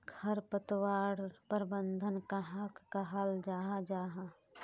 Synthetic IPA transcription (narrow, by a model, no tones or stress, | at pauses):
ɡʰɐɾpət̪waːɽpəɾbənd̪ʱənkaɦakːaɦald͡ʒaːɦad͡ʒaːɦa